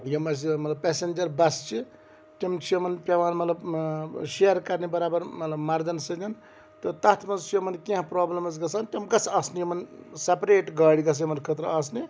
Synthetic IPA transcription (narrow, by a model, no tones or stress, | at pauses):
jomɐsimɐt̪lɐbpesend͡ʒɐɾbɐst͡ʃʰi | timt͡ʃʰijomɐnpeʋaːnmɐt̪lɐbʃeɐɾkɐɾnebɐɾaːbɐɾmɐt̪lɐbmɐɾd̪ɐnsinɐn | t̪ɔt̪ɐt̪ʰmɐnt͡ʃʰijomɐnkĩãpɾoːblɐmɐsɡɐsʰantɐmɡɐt͡sɐsnijomɐnsepɾeːʈɡaːɽiɡɐs̬ʰjmɐnkʰɐt̪ɾɐɐs̬ni